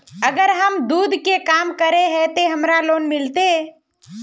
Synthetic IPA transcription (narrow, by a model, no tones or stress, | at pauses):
əɡəɾɦəmd̪uːd̪ʱkekaːmkəɾeɦɛt̪eɦəmɾaloːnmɪlt̪e